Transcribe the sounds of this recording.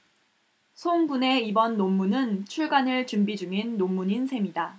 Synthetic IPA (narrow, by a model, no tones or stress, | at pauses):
sʰoŋbune̞ibʌnːomːunɯnt͡ɕʰuɭɡanɯɭt͡ɕumbid͡ʑuŋinːomːuɲinsʰe̞mida